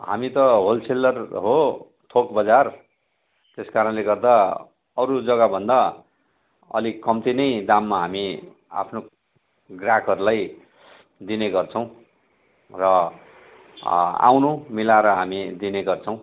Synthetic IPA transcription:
ɦa̰mit̪ʌɦolt͡sʰelːʌrɦo | t̪ʰokbʌd͡zar | t̪eskaɾʌnleɡʌrd̪a | ʌɾud͡zʌɡabʱʌnd̪a | ʌ̰likʌmt̪inʌjd̪amːaɦami | a̰pʰno | ɡrakʰʌɾulaj | d̪ineɡʌrt͡sʰʌ̃w̃ | rʌ | a̰wnumilaɾʌɦamid̪ineɡʌrt͡sʰʌ̃w̃

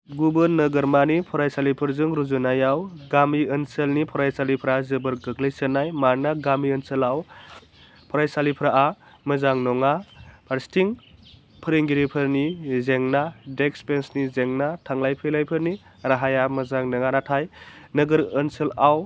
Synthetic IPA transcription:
ɡubɯnɐɡɐɾmanipʰɔɾajsalipʰɯɾzɯŋɾuzunajawɡamiənselnipʰɔɾajsalipʰɾazɯbɐɾɡɯkləjsənajmaɾnaɡamiənselaw | pʰɔɾajsalipʰɾaʔa | mɐzaŋnɔŋapʰaɾstʰiŋ | pʰɯɾeŋɡiɾipʰɯɾnizeŋnadekspensnizeŋnatʰaŋlajpʰɯjlajpʰɯɾni | ɾaɦajamɐzaŋnɐŋanatʰajnɐɡɯɾənselaw

